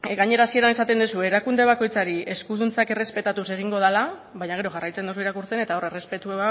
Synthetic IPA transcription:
ɡaɲe̞ɾaːsie̞ɾanesat̪e̞nd̪usue̞ːɾakund̪e̞β̞ako̞jt͡saɾie̞skuðunt͡sake̞re̞spe̞t̪at̪use̞ɣ̞iŋɡo̞ð̞ala | βajɲaɣe̞ɾoʝarajt͡send̪ouiɾakuɾt͡se̞ne̞t̪ao̞re̞re̞spe̞t̪uea

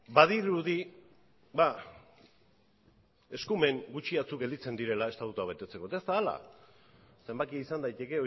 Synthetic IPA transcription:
bað̞iɾuði | ba | e̞skume̞ŋɡut͡ʃiat͡sukɡe̞ld̪it͡se̞nd̪iɾe̞lae̞st̪at̪ut̪uaβ̞e̞t̪e̞t͡se̞ko̞t̪aest̪aːla̰ | se̞mbakiaisand̪ajt̪e̞ke̞o

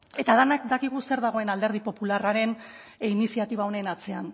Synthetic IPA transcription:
e̞t̪aðenak̚d̪akiɣ̞use̞ɾðaɣ̞o̞e̞nald̪e̞ɾð̞ipo̞pularaɾe̞n | inisiat̪iβ̞ao̞nenat͡se̞an

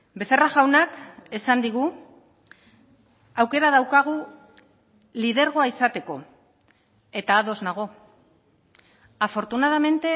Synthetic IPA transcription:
be̞θeraʝawnake̞sand̪iɣ̞u | awke̞ɾaðawkaɣ̞u | lið̞e̞ɾɣo̞aisat̪e̞ko̞̰ | e̞t̪aːðo̞znaɣ̞o̞ | afo̞ɾt̪unaðame̞nt̪e̞

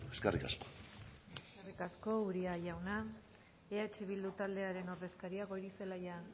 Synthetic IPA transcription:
eskerika̰sko̥eskerikasko̞uɾiaʝawna | eat͡ʃiβ̞ild̪ut̪ald̪e̞aɾe̞no̞ɾðe̞skaɾiaɣo̞jɾise̞laja

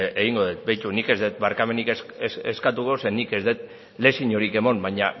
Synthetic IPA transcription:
eɣiŋɡo̞ð̞et̪̚bejt̪unike̞zd̪et̪̚baɾkame̞nikesseskat̪uko̞se̞nike̞zðet̪̚ | le̞siɲo̞ɾike̞mo̞mbaɲa

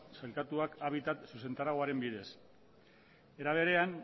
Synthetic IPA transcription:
sajlkat̪uakaβ̞it̪at̪suse̞nt̪aɾaɣoaɾe̞mbið̞e̞s | e̞ɾaβ̞e̞ɾe̞an

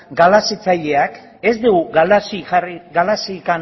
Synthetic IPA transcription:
ɡalasit͡saʎe̞ak | e̞zd̪eɣuɣalasiariɡalasikan

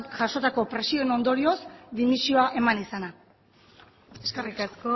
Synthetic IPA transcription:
ʝaʃo̞t̪ako̞pɾe̞sioeno̞nd̪o̞ɾio̞sd̪imisio̞aʔe̞manisana | eskerikasko

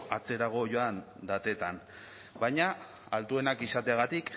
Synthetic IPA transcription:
at͡se̞ɾaɣ̞o̞ʝo̞and̪at̪e̞t̪an | bajɲa | alt̪ue̞nakisat̪eaɣat̪ik

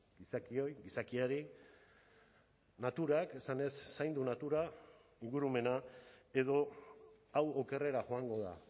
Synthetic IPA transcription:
ɡisakio̞jɡisakiaɾi | nat̪uɾake̞sane̞sːajnd̪unat̪uɾa | iŋɡuɾume̞nae̞ð̞o̞ | awoke̞re̞ɾaʝo̞aŋɡo̞ð̞a̰

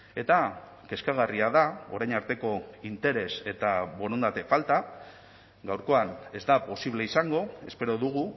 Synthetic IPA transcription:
e̞t̪a | ke̞skaɣ̞ariaðao̞̰ɾajnaɾt̪e̞ko̞int̪e̞ɾe̞se̞t̪aβo̞ɾond̪at̪e̞falt̪a | ɡawɾko̞ane̞zd̪apo̞siβle̞isaŋɡo̞e̞spe̞ɾo̞ðuɣ̞u

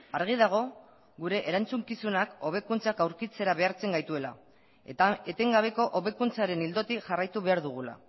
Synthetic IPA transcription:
aɾɣ̞iðaɣ̞o̞ | ɣuɾe̞ʔeɾant͡suŋkisunako̞β̞e̞kunt͡sakawɾkit͡se̞ɾaβe̞aɾt͡se̞ŋɡajt̪ue̞la̰ | et̪e̞ŋɡaβ̞e̞ko̞ʔoβe̞kunt͡saɾe̞nild̪o̞t̪iʝarajt̪uβ̞e̞aɾðuɣ̞ula̰

